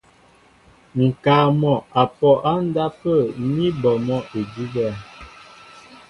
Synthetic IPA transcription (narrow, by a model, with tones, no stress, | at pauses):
ŋ̩˨kaː˨mɔ˨a˨pɔ˨ʔa˦n̩˦da˦pə˦˨˦mi˦bɔ˨mɔ˦ʔe˨di˦ɡɛ˦˨